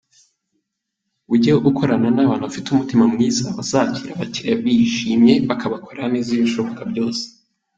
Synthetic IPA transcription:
uɟeɡukʰoɾananaβaːnhuβafitumutimamŋiːzaβazaciɾaβaciɾaβiʃiːmɲe̞βakaβakʰo̞ɾaniːzijoʃuβokabɟo̞ːse̥

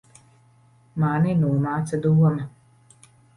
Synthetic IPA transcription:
maːninuːmaːt̪sad̪uɔma

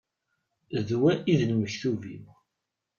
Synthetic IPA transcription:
ðwæʔiðnməçθuvḭm

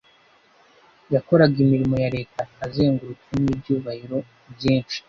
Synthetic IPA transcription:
jako̞ɾaɡimiɾimo̞jaɾe̞ːtaːzeːŋɡuɾukinibjuːβahiɾo̞ | bjiːnt͡ʃi̥

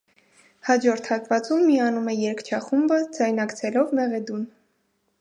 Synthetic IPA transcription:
hɑd͡ʒɔɾt̪ʰhɑt̪vɑt͡sumːiɑnumɛjɛɾkt͡ʃʰɑχumbəd͡zɑjnɑkt͡sʰɛlɔvmɛʁɛd̪un

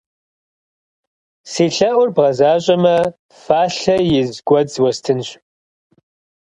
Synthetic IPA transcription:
seːɬɐʔʷʊrbʁɐzaːɕʼɐmɐ | faːɬɐjɪzɡʷɔd͡zwɐstʰɨnɕ

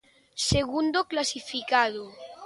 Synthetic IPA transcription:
seɣ̞und̪oklasifikaðo

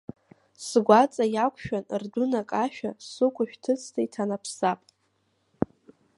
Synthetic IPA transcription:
sɡʷat͡sʼajakʷʰʃᶣanrdʊnakʼaʃᶣassɨkʷʊʃᶣtʰɨt͡sʰtʰaitʰanapʰsapʼ

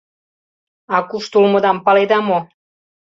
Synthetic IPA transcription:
ɑkuʃt̪ulmɤ̆d̪ɑmpɑled̪ɑmo

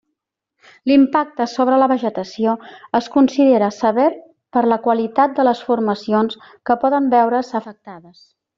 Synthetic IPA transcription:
limpak̚t̪əsoβɾələβəʒət̪əsioəskunsiðeɾəsəβɛɾ | pəɾləkwəlit̪at̪̚d̪ələsfurməsions | kəpɔðəmbɛwɾəsəfək̚t̪aðəs

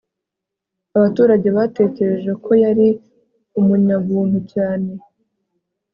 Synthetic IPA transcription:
aβatuːɾaɟe̞βate̞ːce̞ɾe̞ʒe̞kʰo̞jaɾi | umuɲaβuːn̥hucaːne̞

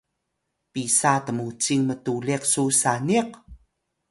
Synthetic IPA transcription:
pisatəmut͡siŋmətuliqsusaniq

